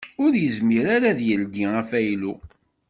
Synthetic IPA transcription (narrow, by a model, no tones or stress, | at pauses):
ʊɾjəzmiɾaɾaðjəlɡiæfæjlu